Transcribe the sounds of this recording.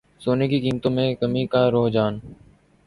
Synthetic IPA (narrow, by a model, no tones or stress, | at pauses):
soːneːkikiːmt̪õːmẽkəmiːkaːɾoːɦd͡ʒaːn